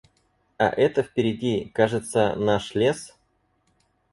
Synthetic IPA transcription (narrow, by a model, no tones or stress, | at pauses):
a̰ʔɛt̪əfpʲɪɾʲɪdʲikaʐɨt̪sənaʂlʲes